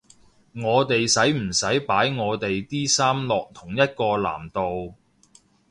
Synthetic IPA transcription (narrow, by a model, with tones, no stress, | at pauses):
ŋɔː˨˧t̪e˨jsɐ˨˥jm̩˨˩sɐ˨˥jpaː˨˥jŋɔː˨˧t̪e˨jt̪iː˥saː˥mlɔː˨k̚t̪ʰʊ˨˩ŋjɐ˥t̚kɔː˧la̰ː˨˩mt̪o˨w